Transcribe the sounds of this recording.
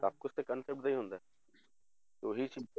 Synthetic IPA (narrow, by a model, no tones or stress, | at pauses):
a̰ːp̚kost̪ekənsep̚ʈzɐĩɦõːnd̪a | t̪oːɦit͡ʃi